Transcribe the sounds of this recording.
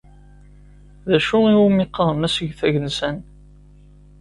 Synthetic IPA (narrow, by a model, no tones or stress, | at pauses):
ðæʃʊiwumɪqːəðˤmæsəʝθæʝənsæn